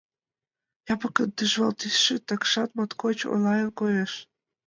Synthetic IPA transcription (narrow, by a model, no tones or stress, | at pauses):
jɑpɤ̆kənd̪yʒβɑlt̪ysʃĕt̪ɑkʃɑt̪̚mɑt̪kot͡ɕo̰lɑjelkojeʃ